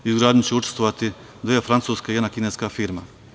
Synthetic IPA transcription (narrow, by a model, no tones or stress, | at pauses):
izɡɾaːd̪ʲnut͡ɕeut͡ʃe̥st̪ʋoʋat̪i | d̪ʋefɾant̪suːskeijed̪nakineskafiɾma